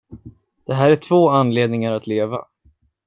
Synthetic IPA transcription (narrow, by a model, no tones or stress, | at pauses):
d̪̥ɛɦæːɾæʈʰv̥oːanleːd̪nɪŋaɾat̪leːva̰